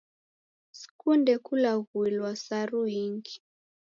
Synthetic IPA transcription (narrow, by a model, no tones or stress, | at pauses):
skundɛkulaɣuilwasaɾuiŋɡi̥